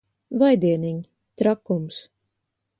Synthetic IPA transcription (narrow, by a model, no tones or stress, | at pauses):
vajd̪iɛniŋʲ | t̪ɾakums